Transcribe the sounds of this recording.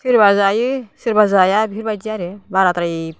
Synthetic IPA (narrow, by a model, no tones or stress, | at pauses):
sʰiɾbazajɯsiɾbazajabʱiɾbad͡ʒiaɾebaɾat̪ɾai